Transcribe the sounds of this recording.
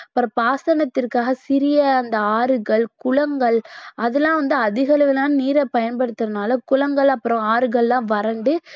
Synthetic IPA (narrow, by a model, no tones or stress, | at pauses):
ɐpːɯɾɐ̃paːsɐnɐt̪ːɪrkaːɣɐsɪɾɪjɐːnd̪ɐaːɾɯɣɐɭkʊɭɐŋɡɐɭʔɐðɛlãːʋɐnd̪ɯɐðɪɣɐlɯʋɪlãːnniːɾɛpɐjɐnpɐɽɯt̪ːɐðɯnaːlɐkʊɭɐŋɡɐɭɐpːɯɾɔ̃aːɾɯɣɐɭlãːʋɐɾɐɳɖɯ